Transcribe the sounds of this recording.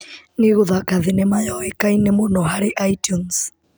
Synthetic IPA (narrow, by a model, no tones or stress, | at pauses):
neɣoðakaðenɛmajɔɛkainɛmonɔɦaɾeʔaitjuns